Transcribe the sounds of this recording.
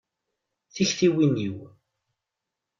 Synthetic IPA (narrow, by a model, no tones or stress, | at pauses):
θiçθiwiniw